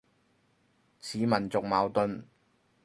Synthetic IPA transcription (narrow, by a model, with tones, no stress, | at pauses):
t͡sʰiː˨mɐ˨˩nt͡sʊ˨k̚maː˨˧wt̪ɵ˧n